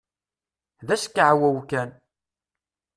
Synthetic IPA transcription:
ðæskːaʕwæwkæn

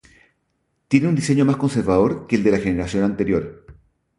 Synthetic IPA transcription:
t̪je̞neund̪ise̞ɲo̞masko̞nse̞ɾβaðo̞ɾke̞ːld̪e̞laxene̞ɾasjo̞nant̪e̞ɾjo̞ɾ

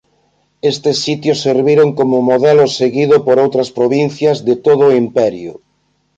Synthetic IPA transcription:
est̪esːit̪josːeɾβiɾoŋkomʊmoðɛlʊseɣiðʊpoɾowt̪ɾɐspɾoβin̟θjɐzðet̪oð̞oʊimpɛɾjʊ̰

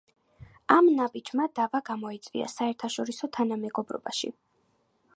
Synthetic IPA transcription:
amnabid͡ʒmad̪avaɡamɔit̪sʼvḭa̰saɛɾt̪ʰaʃɔɾisɔt̪ʰanamɛɡɔbɾɔ̰baʃḭ

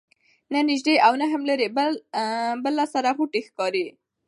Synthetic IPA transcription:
nanɪʒd̪eawnaɦamləɾeb | bəlːasaɾaɣuʈexkɑɾi

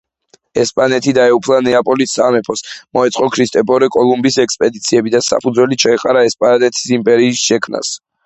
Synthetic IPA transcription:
ɛspʼanɛt̪ʰid̪aɛupʰlˠanɛapʼɔlisːamɛpʰɔsmɔɛt̪sʼqʼɔkʰɾist̪ʼɛpʰʼɔɾɛkʼɔlˠumbisɛkspʼɛd̪it̪sʰiɛbid̪asa̰pʰud̪zwɛlit͡ʃʰaɛqʼaɾaɛspʼaɾat̪ʼɛt̪ʰi̥simpʼɛɾiːsʃɛkʰmnʔa̰s

